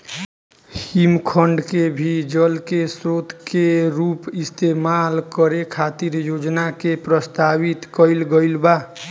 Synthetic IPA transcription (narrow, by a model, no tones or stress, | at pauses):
himkʰəɳɖkebʱid͡ʒəlkesɾot̪keɾupist̪emalkəɾekʰat̪iɾjod͡ʒnakepɾəst̪abit̪kəɪlɡəɪlba